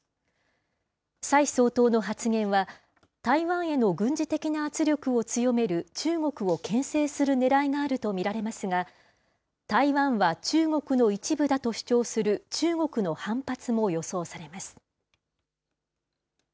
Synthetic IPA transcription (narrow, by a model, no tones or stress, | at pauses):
saiso̞ːt̪o̞ːno̞ɦat͡sɨŋẽ̞ɰ̃βa | t̪aiβãɰ̃e̞no̞ɡɯ̟̃ɲ̟d͡ʑit̪e̞kʲinaːt͡sɨɾʲo̞kɯ̟o̞t͡sɨjo̞me̞ɾɯ̟t͡ɕɨːŋo̞kɯ̟o̞kʰẽ̞ɰ̃se̞ːsɨɾɯ̟ne̞ɾaiŋaːɾɯ̟t̪o̞mʲiɾaɾe̞masɨŋa | t̪aiβãɰ̃βat͡ɕɨːŋo̞kɯ̟no̞it͡ɕibɯ̟d̪at̪o̞ɕi̥t͡ɕo̞ːsɨɾɯ̟t͡ɕɨːŋo̞kɯ̟no̞hãmpat͡sɨmo̞jo̞so̞ːsaɾe̞masɨ̥